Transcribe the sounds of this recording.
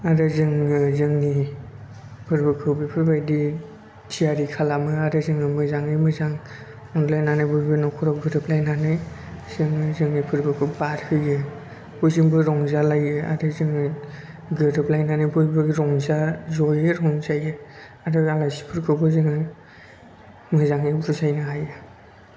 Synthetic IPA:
aɾɯzɯŋɯzɯŋni | pʰɯɾbɯkʰɯwbipʰɯɾbajdi | tʰijaɾikʰalamɯaɾɯzɯŋɯmɯzaŋɯjmɯzaŋ | ɔŋlajnanajbɔjbɯnɔkʰɔɾɔɡɯɾɯplajnanɯj | zɯŋɯzɯŋnipʰɯɾbɯkʰɯwbaɾhʰɯjɯ | bɔjzɯŋbɯɾɔŋzalajɯa̰ɾɯzɯŋɯ | ɡɯɾɯplajnanɯjbɔjbɯɾɔŋzazɔjɯɾɦɔŋzajɯ | aɾɯaŋasi̥pʰɯɾkʰɯwbʰɯzɯŋa | mɯzaŋɯbɾuzajnɯɦajɯ

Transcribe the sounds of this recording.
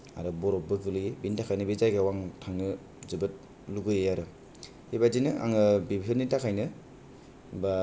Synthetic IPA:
a̰ɾɯbɔɾɔp̚bɯɡɯlɯjbintʰakʰajnɯbizajɡawaŋtʰaŋnɯ | zɯbɯt̚ | luɡɯjɯjaɾɯ | ibazinɯʔa̰ŋɯbibiɯnitʰakʰajnɯ | ba

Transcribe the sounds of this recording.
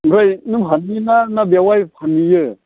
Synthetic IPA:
ɾajnɯpʰaninanabjawajpʰanijɯ

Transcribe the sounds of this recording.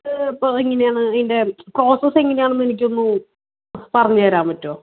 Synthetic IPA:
ipːoːiŋːɐnejaːɳɨnde̞kro̞ːsɐse̞ŋːɐne̞jaːɳɨmenik̬ʲːo̞nːu | pɐrɐɲːɨʋɐɾaːmɐtːo̞ː

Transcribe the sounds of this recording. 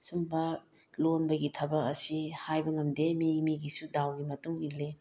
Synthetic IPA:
sumbɐlonbɐɡitʰɐbɐk̚ɐsihajbɐŋɐmdemimiɡisudawɡimɐtuŋile

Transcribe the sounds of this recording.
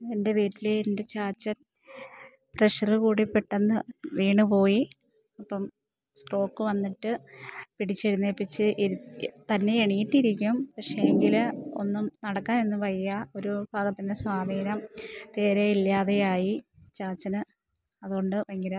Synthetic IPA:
ende̞ʋiːʈːileːnde̞t͡ɕaːt͡ɕːɐn | preʂɐrɨkuːɽipːeʈːenːɨʋiːɳɨpo̞ːji | ɐpːɐm | sʈo̞ːkːɨʋɐnːiʈːɨpiɽit͡ɕːeɻunːeːpːit͡ɕːɨʔt̪ɐnːe̞eɳijitːiɾikʲːumpɐkʂeeŋɡilo̞̰nːumnɐɽɐkːaːne̞nːɨpɐjɐjɐo̞ɾubʱaːɡɐt̪ːindeswaːd̪ʱiːnɐmt̪e̞ːɾeilːaːðejaːji | t͡ɕaːt͡ɕːɐnɨ | ɐðuoɳɖɨʋɐŋːiɾɐ

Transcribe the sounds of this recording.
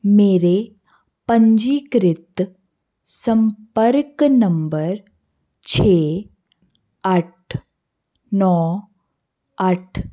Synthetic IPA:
meɾe | pəɲd͡ʑiːkɾɪt̪ | səmpəɾknəmbəɾ | t͡ɕʰe | aʈʰ | nɔ | aʈʰ

